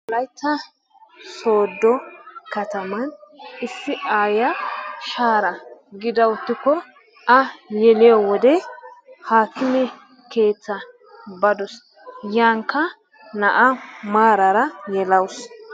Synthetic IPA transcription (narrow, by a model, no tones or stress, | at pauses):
lɐjt̪ːɐ | so̞ːd̪ːɔkɐt̪ɐmɐnɪsːɪʔaːjɐʃaːɾɐɡɪd̪ɐwʊt̪ːɪkːɔ | ʔɐjɛlɪjɔwɔd̪ɛhaːkːɪmɪ | ke̞ːt͡sːɐ | bɐd̪ɔs | jaːŋkːɐ | nɐʔɐmaːɾɐɾɐjɛlɐws